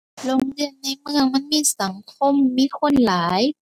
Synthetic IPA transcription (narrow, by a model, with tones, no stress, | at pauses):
lo˧˥˩ŋdɯ˧˩ənːa˧˥˩jmɯ˧˩əŋma˧˥˨nmiː˧˥˨sa˩˦ŋkʰo˧˥˨mːiː˧˥˨kʰo˧˥˨nlaː˩˦j